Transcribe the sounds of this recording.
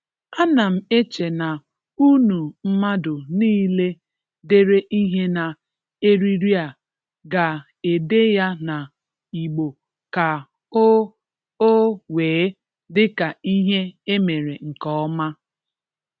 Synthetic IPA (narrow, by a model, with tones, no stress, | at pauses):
a˦na˨m̩˨e˦t͡ʃe˨na˨ | u˦nu˨m̩˦ma˦dʊ˨niː˦le˦ | de˦ɾe˦ʔi˦ɦe˦na˨ | e˦ɾi˦ɾi˦a˨ | ɡa˨ | e˨de˦ja˦na˨ | i˨ɡ͡bo˨ | ka˨ | o˦ | o˦weː˨˦ | dɪ˦ka˨i˦ɦe˦e˦me˨ɾe˨ŋ̩˨kɔ˦ma˦